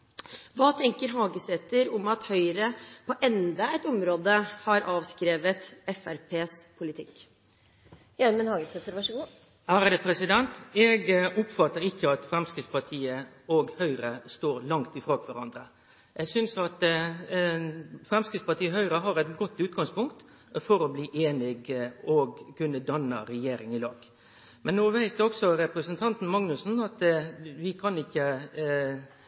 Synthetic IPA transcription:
ʋɑːt̪ʰɛŋkəɾɦɑːɡəsɛt̪ːəɾʊmɑt̪hœʏɾəpʰɔʔɛnd̪ɑɛɪt̪ʊmɾoːd̪əhɑɾʔɑːʋskɾeːʋət̪ɛfæɾpʰeːspʰʊlɪt̪ʰɪkː | jæɾmənhɑːɡəsɛt̪ːəɾʋɑʂəɡuː | hæːɾd̪ɛpʰɾɛsɪd̪ɛnt̪ɛɡʊpfɑt̪ːəɾɪkʰːəɑt̪fɾɛmskɾɪd̪spɑʈ̪ʰiːə | ɔɡhœʏɾəst̪oːɾlɑŋt̪ɪfɾoːkʰʋæɾɑnd̪ɾə | ʔɛɡsʏnsɑt̪ | fɾɛmskɾɪspɑʈ̪iːəɦœʏɾəɦɑɾɛɪt̪ɡɔt̪ːʉːt̪ɡɑŋspʊŋkt̪ | fɔɾɔbliːʔeːnɪɡɔɡkʉnːəd̪ɑnːə̰ɾɛjeːɾɪŋɪlɑːɡ | mɛnːoːʋæɪt̪ɔksɔɾɛpɾəsənt̪ʰɑnt̪n̩mɑŋnʉsn̩ɑt̪ʋɪkʰɑnɪçːə

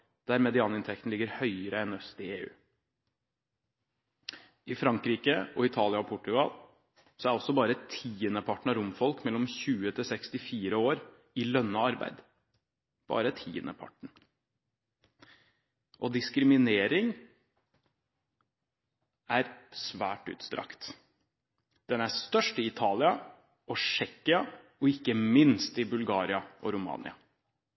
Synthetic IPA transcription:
d̪̥æɾmɛd̪ɪɑːnɪnt̪ʰɛk̚t̪n̩ɪɡːəɾhœʏəɾəɛnœst̪ɪeːʉ̰ː | ɪfɾɑŋkɾiːkəɔɪt̪ʰɑːlɪɑɔpʰʊʈːʉɡɑ̰l | sɔæɾɔsːɔbɑːɾət̪ʰiːənəpʰɑʈːɳ̩ɑɾʊmfɔlkmɛlːɔmçʉːət̪ʰɪsɛkst̪ɪfiːɾəoːɾ | ɪlœnːəɑɾbæ̰ɪd̪ | b̥ɑ̰ːɾət̪ʰḭːə̰nə̰pʰɑ̰ʈɳ̩ | ʔɔd̪ɪskɾɪmɪneːɾɪŋ | æɾsʋæːʈʉ̰ːt̪st̪ɾɑ̰kt̪ | d̪̥ɛnæst̪œʂʈɪɪt̪ʰɑːlɪɑ | ʔɔʂɛkːɪɑ | ɔɪkːəmɪnst̪ɪbʉlɡɑːɾɪɑʔɔɾʊmɑ̰ːnɪ̰ɑ

